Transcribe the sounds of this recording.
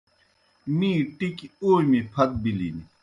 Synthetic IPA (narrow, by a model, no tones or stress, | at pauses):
miːʈikoːmipʰɐt̪̚bilini